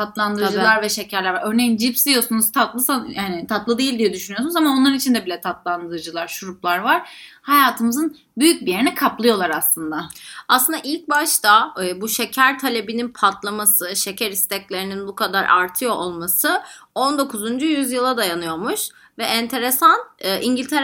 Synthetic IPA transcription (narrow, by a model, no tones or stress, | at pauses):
tʰat̪lˠand̪ɯɾd͡ʒɯlˠaɾvɛʃecʰæɾlʲæɾvaɾøɾnejind͡ʒipsd̪ijosunuz̥t̪ʰat̪lˠɯsajaːnɪt̪ʰat̪lˠɯd̪ijilʲd̪ijɛd̪yʃynyjsnzamanonˠaɾɯnit͡ʃʰind̪ɛbilʲɛt̪ʰat̪lˠand̪ɯd͡ʒɯlˠaɾʃuɾup̚lˠaɾvaɾ̥hajaːt̪ʰɯmɯzɯn | byjyc̚bije̞ɾinɛkʰaplˠɯjo̞lˠaɾaslˠɯnd̪aaslˠɯnd̪aʔilʲc̚baʃt̪ʰabuʃe̞cʰæɾt̪ʰalʲe̞bininpʰat̪ʰlˠamasɯʃe̞cʰæɾist̪ʰɛclʲe̞ɾininbukʰad̪aɾʔa̰ɾt̪ʰɯjo̞ʔolˠmasɯo̞nd̪o̞kʰuzund͡ʒujyzjɯlˠad̪ajanɯjo̞ɾmuʃ | vɛʔɛnt̪ʰe̞ɾesanɯːʔiɲɟilʲt̪ʰe